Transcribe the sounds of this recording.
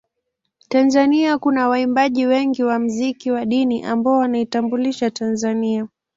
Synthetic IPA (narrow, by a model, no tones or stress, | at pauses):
tanzaniakunawaimbaʄiwɛŋɡiwam̩zikiwaɗiniʔambaɔwanaitambuliʃatanzania